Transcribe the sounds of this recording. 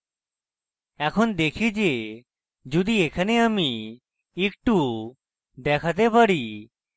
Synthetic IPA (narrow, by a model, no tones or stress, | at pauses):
ɛːkʰʊnd̪eːkʰid͡ʒe | d͡ʒud̪ieːkʰəneəmi | ikʈu | d̪eːkʰət̪ebəɽi